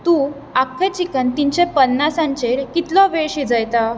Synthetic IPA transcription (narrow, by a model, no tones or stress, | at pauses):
t̪ũ | akʰːet͡ɕikənt̪iɲt͡ɕepənːasãɲt͡ɕeɾkit̪lɔʋeɭɕid͡zəjt̪a